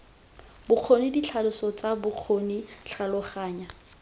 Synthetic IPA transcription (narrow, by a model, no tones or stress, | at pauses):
bʊq͡χʰonidit͡ɬʰalʊsɔt͡sabʊq͡χʰoniɬʰalɔχaːɲa